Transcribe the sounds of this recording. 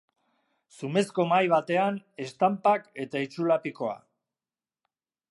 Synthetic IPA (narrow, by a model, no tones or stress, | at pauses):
sume̞sko̞majβ̞at̪e̞ane̞st̪ampake̞t̪ait͡ʃulapiko̞a̰